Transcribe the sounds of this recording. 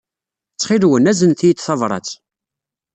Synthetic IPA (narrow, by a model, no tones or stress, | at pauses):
t͡sːχilwənæzənθijit͡s̪ːθɑvɾˤɑ̰t͡s